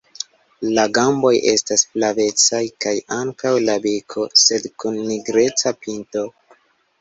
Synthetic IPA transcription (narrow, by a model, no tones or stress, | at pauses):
laɡambo̞jʔe̞̰stasplave̞t͡sajkajaŋkawlabikʰo̞se̞dkunːiɡɾe̞t͡sapinto̞